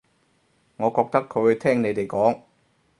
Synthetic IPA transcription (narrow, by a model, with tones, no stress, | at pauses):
ŋɔː˨˧kɔː˨˩k̚t̪ʰa˦˥kkʰːo˨˧˥t̪ʰɛː˥˩ŋne˨˥jd̪e˨˩jkɔː˨˥ŋ